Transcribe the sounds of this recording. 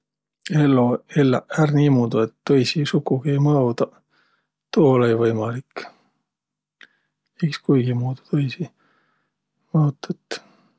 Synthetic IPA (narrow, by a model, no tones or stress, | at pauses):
elːoelːɑærniːmuːd̪̥ue̞t̪ːojsisukːˑuɡ̥iejmɑwd̪ɑ | t̪oːolejvɤjmɑlik | ikskujɡ̥imuːd̪̥u̥t̪ojsi | mɑut̪ːˑɑt̪ː